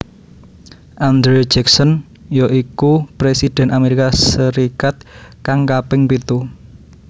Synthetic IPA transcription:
ʔand̪ɾed͡ʒɛksɔn | jɔʔikupɾesid̪̥ɛ̤nʔameɾikasəɾikat̪̚kaŋkapɪŋpit̪u

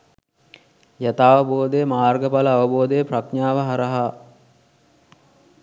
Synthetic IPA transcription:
jat̪aːʋəboːd̪ejəmaːrɡəpaləːʋəboːd̪ejəprakɲaːʋəɦaɾəɦa

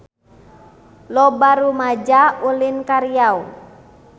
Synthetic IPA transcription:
lɔbaɾumad͡ʒaulinkaɾiau

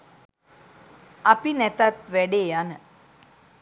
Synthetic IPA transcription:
apinæt̪at̪ʋæɖeːanə

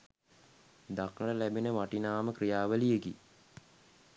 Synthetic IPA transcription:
d̪akɳəɾəlæbinəʋaʈinaːməkrijaːʋəlijəɡi

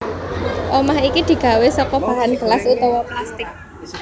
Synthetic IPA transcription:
ʔomaɦikid̪̥i̤ɡ̥a̤wesɔkɔb̥ä̤ɦanɡ̥əlasut̪ɔwɔplast̪ɪk̚

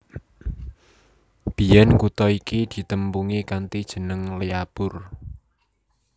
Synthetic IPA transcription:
b̥i̤ɛnkut̪ɔikid̪̥i̤t̪əmpuŋikant̪id̥ʒ̥ə̤nəŋleapʊr

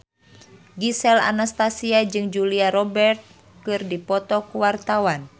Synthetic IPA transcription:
ɡisɛla̰nast̪asiad͡ʒɨŋd͡ʒuliaɾɔbɛrt̪̚ | kɨrdipɔt̪ɔkuwart̪awan

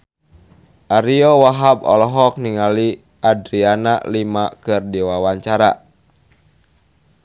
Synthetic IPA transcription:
ʔaɾiɔwaɦabɔ̰lɔɦɔk̚niŋali | ʔadɾianalimakɨrdiwawaɲt͡ʃaɾa

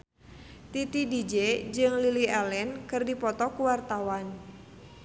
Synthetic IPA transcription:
t̪it̪idid͡ʒed͡ʒɨŋliliɛlɛnkɨrdipɔt̪ɔkuwart̪awan

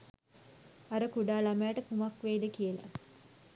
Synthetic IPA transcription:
aɾəkuɖaːlamajːʈəkumakʋeːd̪əkijəla̰

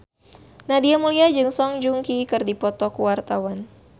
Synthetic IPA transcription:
nadiamuliad͡ʒɨŋsɔŋd͡ʒuŋkikɨrdipɔt̪ɔkuwart̪awan

